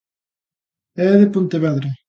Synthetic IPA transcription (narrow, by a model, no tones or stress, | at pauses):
ɛðepunt̪eβɛðɾe